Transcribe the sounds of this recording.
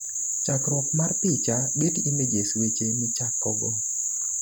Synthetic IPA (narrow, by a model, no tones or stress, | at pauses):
t͡ʃakɾwɔkmarp̪it͡ʃaɡetimed͡ʒeswet͡ʃemit͡ʃakːɔɡɔ